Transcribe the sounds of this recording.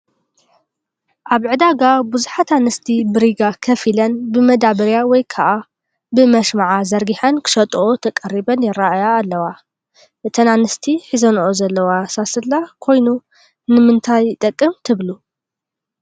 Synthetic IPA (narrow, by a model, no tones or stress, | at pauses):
ʔaβʕɨd̪aɡabuzuħat̪anɨst̪ʰibɨɾiɡakʰɐfilɐnbɨmɐd̪aβɐɾjawɔjkʰaʔa | bɨmɐʃmaʕazɐɾɡiħɐnkʰɨ̥ʃɐt̪ʼʔot̪ʰɐkʼɐrːibɐnjɪɾaʔajaːlːɐwa | ʔɨt̪ʰɐnanɨst̪ʰiħizɐnʔozɐlːɐwasasɨlːakʰo̞jnu | nɨmɨnt̪ʰajt̪ʼɐkʼːɨmt̪ʰɨβlu